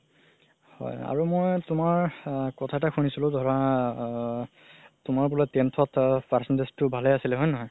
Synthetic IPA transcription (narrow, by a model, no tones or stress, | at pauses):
hɔ̰ja̰ɹumojtʊmaɹkɔtʰataxunisilʊ̃dʱɔɹa | tʊmaɹbulɔtɛntʰɔtpaɹsɔndestʊbʱalɛasilɛɦɔjnɔɦɔj